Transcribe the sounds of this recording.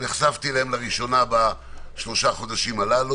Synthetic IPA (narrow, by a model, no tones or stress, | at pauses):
eχsavt̪ilahemleʁiʃo̞naba | ʃlo̞ʃaχo̞d̪aʃimalalu